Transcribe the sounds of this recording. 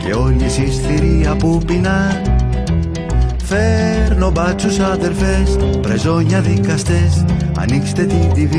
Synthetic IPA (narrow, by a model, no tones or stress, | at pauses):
cḛoɲisisθiɾiɐpupinɐ | fe̞ɾnobɐt͡susɐðe̞ɾfespɾe̞zo̞ɲɐðikɐst̪e̞sɐ̰nikse̥t̪e̞t̪id̪iv